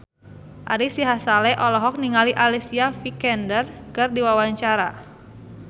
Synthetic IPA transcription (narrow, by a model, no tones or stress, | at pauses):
ʔaɾisiɦasalɛʔɔlɔɦɔk̚niŋaliʔalisiafikɛndərkɨrdiwawaɲt͡ʃaɾa